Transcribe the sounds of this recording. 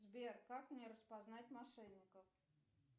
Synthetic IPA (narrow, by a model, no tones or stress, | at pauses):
zbʲerkaknʲɛɾəspaznatʲmaʂɛnʲːɪkəf